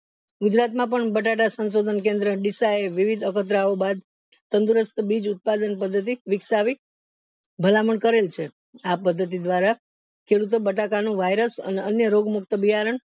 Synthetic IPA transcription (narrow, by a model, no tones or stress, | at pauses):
ɡʊd͡ʒɾat̪mãp̬əɳbəʈaʈ̬asənsod̪ʱənk̬ẽnd̪ɾəɖisaeʋiʋid̪ʱəkət̪̬ɾaobad̪̚ | t̪ənd̪uɾəst̪bid͡ʒʊt̪̚pad̪ənpəd̪ʱːət̪̬iʋɪksaʋi | bʱəlaməɳkəɾelt͡ʃʰe | apəd̪ʱːət̪̬id̪ʋaɾa | kʰeɽut̪̬obəʈakanũʋajɾəsə̰neənjəɾoɡmʊkt̪əbiɦaɾəɳ